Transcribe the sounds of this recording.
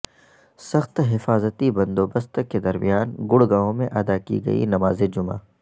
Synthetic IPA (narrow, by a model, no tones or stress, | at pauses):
sɐxt̪ɦɪfaːzət̪ibɐ̃nd̪oːbɐst̪ked̪ɐɾmḭjaːnɡʊɽɡaːõmḛ̃ʔɐd̪akḭɡɐ̰ḭnɐmaːzed͡ʒʊma̰ː